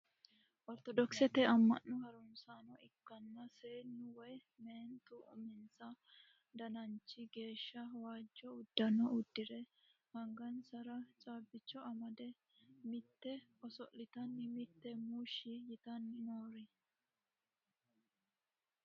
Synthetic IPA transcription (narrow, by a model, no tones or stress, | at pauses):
ʔɔɾt̪ɔd̪ɔksɛt̪ɛɐmːɐ̰nːʊhɐɾʊnsanɔɪkːɐnːɐseːnːʊwɔj | meːnt̪ʊʔʊ̰mɪnsɐ | d̪ɐnɐnt͡ʃːɪɡe̞ːʃːɐɐwaːd͡ʒːɔʊd̪ːɐnɔʊd̪ːɪɾɛhɐŋɡɐnsɐɾɐt͡ʃʼaːbɪt͡ʃːɔɐmɐd̪ɛ | mɪt̪ːɛɔsɔʔlɪt̪ɐnːɪmɪt̪ːɛmuʃɪjɪt̪ɐnːɪnoːɾɪ